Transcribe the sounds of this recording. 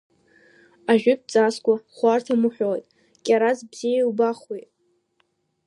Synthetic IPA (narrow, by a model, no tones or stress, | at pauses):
aʒᶣʏp̚t͡sʼaskʷʼaχʷartʰamɨħʷᶣojtʼ | kʲʼaɾazbz̥ijawbaχwijtʼ